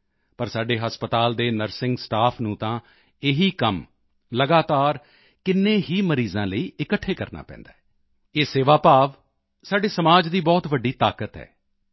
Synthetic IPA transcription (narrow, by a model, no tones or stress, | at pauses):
pəɾsaːɖeːɦəspət̪aːld̪eːnəɾsɪ̃ŋɡsʈaːpʰnũːt̪ãː | ɪɦiːkəm | ləɡaːt̪aːɾ | kɪnːẽːɦiːməɾiːzãːləiːʔɪkəʈʰːeːkəɾna̰ːpɛ̰̃ːnd̪a̰ːɛ | eːseːʋaːpaːʋ | saːɖeːsəmaːd͡ʒd̪iːbɔːt̪ʋəɖːiːt̪aːkət̪ɦɛ̰ː